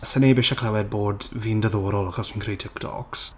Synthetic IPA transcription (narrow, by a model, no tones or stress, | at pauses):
sənebɪʃakʰlawɛd̚boːdviːndəðoːɾɔlˠaχɔsmĩnkʰrejtʰɪktʰɔ̰ks